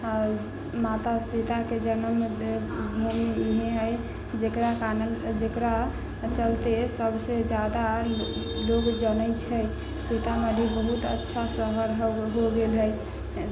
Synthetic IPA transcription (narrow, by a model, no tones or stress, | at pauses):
mat̪asit̪aked͡ʒənəmed̪ | bʱumiɦeɦəj | d͡ʒekɾakanəld͡ʒekɾa | t͡ʃəlt̪esəbʱsed͡ʒjad̪a | loɡd͡ʒənəjt͡ʃʰəj | sit̪aməd̪ʱibəɦut̪ə̰tːʃʰasəɦəɾɦɦoɡelɦəj